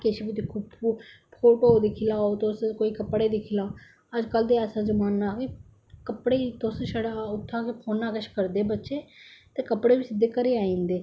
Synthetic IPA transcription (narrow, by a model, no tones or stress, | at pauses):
kɪʃibit̪ikʰuːb | pʰoːʈoːd̪ɪkʰɪlaːot̪oskoːiːkəpːɽeːd̪ɪkʰɪlaːo | əd͡ʒkəld̪eɛːsãːzəmaːnːaːkɪ | kəpɽeːt̪osʃəɽaʊt̪ʰːaːkipʰoːnaːkəʃkəɾd̪eːbətːʃeːt̪eːkəpːɽeːbɪsɪd̪ːeːkəɾeːaːĩːnd̪eː